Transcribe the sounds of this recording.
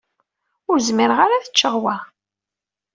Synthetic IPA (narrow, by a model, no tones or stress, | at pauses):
ʊɾzmiɾəʁaɾaθə̥t͡ʃːəʁwæ